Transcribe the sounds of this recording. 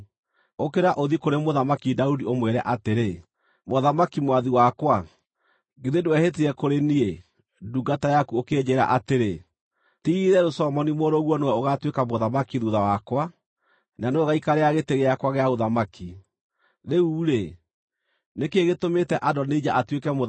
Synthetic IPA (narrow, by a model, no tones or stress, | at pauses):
okeɾaʔoðikoɾemoðamakidaudiomwɛɾɛʔateɾe | moðamakimwaðiwakwa | ɡeðedoɛhet̬iɾɛkoɾenie | duɡatajakuoked͡ʑeɾa̰ʔateɾe | tiɾɛɾosɔmɔnimoɾoɣwɔnowɛoɣatwekamoðamakiðuðawakwa | naneoɣaikaɾeaɣeteɣeakwaɣeaoðamaki | ðeuːɾe | nekeɣetometɛʔadɔned͡ʒaʔatwekɛmo